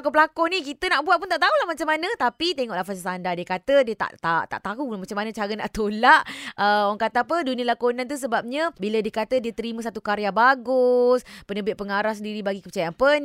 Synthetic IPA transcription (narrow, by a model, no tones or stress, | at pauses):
kopəlakɔnikit̪ənaʔbuwat̪̚punt̪aʔt̪aulahmat͡ʃamːanə̃t̪apit̪eŋɔʔlahfas̬asandadiəkat̪ədiət̪a̰ʔt̪at̪a̰ʔt̪aɦumat͡ʃamanət͡ʃaɾənaʔt̪olaʔəaŋkat̪apədunĩəlakonãnt̪us̬əbap̚ɲəbilədiəkat̪ədiət̪əɾimə̃s̬at̪ukaɾjabaɡuspənəbɪt̪̚pəŋaɾahs̬əndiɾibaɡikəpət͡ʃajanpən